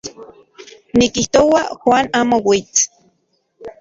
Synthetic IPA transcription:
nikiht̪owaxwaːnaːmowit͡s

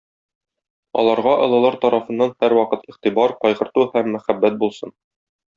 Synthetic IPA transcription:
ɒ̰lˠɑɾʁɑʔɤ̆lˠɤ̆lˠɑɾt̪ɒɾɑfɤ̆nːɑnhæɾwɒqɤt̪iχt̪ibɑɾqɒjʁɤ̆ɾt̪uhæmːæχæbːæt̪̚bulˠsɤn

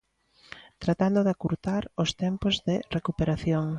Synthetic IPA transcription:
t̪ɾat̪and̪ʊðakuɾt̪aɾost̪ɛmpozðɪrekupeɾaθjoŋ

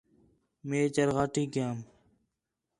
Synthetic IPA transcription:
meːt͡ɕɐɾɣaːʈiːkaːm

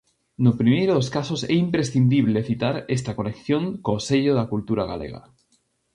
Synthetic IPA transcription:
nopɾimejɾoðoskasosɛimpɾesθind̪iβ̞leθit̪aɾest̪akonekθjoŋkoseʎoðakult̪uɾaɣa̰lḛɣa̰

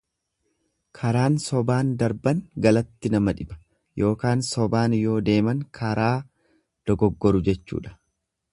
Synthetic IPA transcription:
kʰɐɾaːnsɔbaːnd̪ɐɾbɐŋɡɐlɐt̪ːɪnɐmɐᶑɪbɐ̥ | jo̞ːkaːnsɔbaːnjo̞ːd̪e̞ːmɐŋkʰɐɾaː | d̪̥ɔɡɔɡːɔɾʊd͡ʒɛt͡ʃːṵːᶑɐ̥

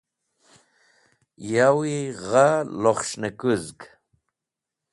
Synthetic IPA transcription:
jawiʁaloχʃnəkuzɡ

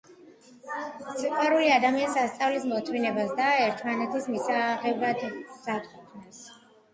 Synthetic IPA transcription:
sʰiqʼwaɾuliad̪amianisast̪sʼavlismɔt̪ʰvinɛbasd̪aɛɾt̪ʰmanɛt̪ʰismisaʁɛvɾad̪sat̪kʰʼɔkʰnas

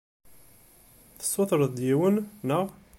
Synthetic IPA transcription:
θə̥sːoθɾˤəðd̪jiwənːəʁ

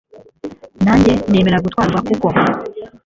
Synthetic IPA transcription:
naːɲɟe̞ne̞ːme̞ɾaɡutwaːɾɡwakuko

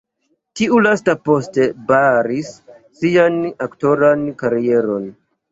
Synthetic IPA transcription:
tiulastapo̞ste̞baɾisː | ianakto̞ɾankaɾie̞ɾo̞n

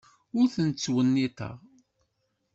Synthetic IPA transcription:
ʊɾθənt͡sːwənːit̪ə̰ʁ

